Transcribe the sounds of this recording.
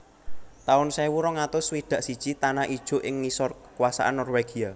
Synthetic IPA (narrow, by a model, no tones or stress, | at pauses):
t̪aʊnsewuɾɔŋat̪ʊswid̪̥ä̤ʔsid̥ʒ̥it̪anaʔid̥ʒ̥o̤ʔɪŋnisɔrkə̥kuwasa̰ʔanːɔrweɡ̥ia